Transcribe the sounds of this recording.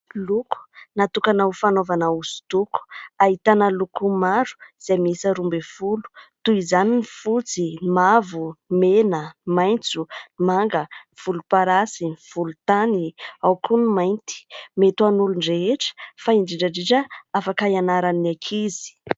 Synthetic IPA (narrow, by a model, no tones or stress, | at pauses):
luku̥nat̪ukanawfanovanauzu̥t̪uku̥aɦit̪anəlukumaɾu̥z̥emisəɾumbefulu̥t̪uizaninifut͡simavumenəmajnt͡sumaŋɡəv̥ulupaɾasiv̥ulut̪aniawkʰunimajnt̪i̥met̪uanuluɳɖ͡ʐeɦeʈ͡ʂə̥faiɳɖ͡ʐiɖ͡ʐəɖ͡ʐiʈ͡ʂəafakajanaɾanakʰizi̥